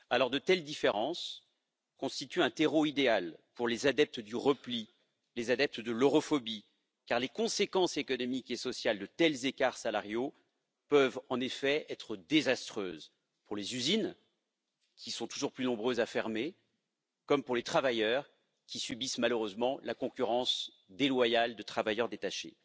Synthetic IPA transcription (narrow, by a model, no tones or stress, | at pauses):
alɔʁd̪ət̪ɛld̪ifeʁɑ̃s | kɔ̃st̪it̪yɛ̃t̪eʁoid̪ealpuʁlezad̪ɛp̚t̪d̪yʁəpli | lezad̪ɛp̚t̪d̪əlɔʁɔfɔbi | kaʁlekɔ̃sekɑ̃sekɔnɔmikesɔsjald̪ət̪ɛlzekaʁsalaʁjo | pœvɑ̃nefɛɛt̪χəd̪ezast̪χøːz | puʁlezyzin | kʲʰisɔ̃t̪uʒuʁplynɔ̃bʁøzafɛʁme | kɔmpuʁlet̪χavajœʁ | kʲisybismaløʁøzmɑ̃lakɔ̃kʲyʁɑ̃s | d̪elwajald̪ət̪χavajœʁd̪et̪aʃḛ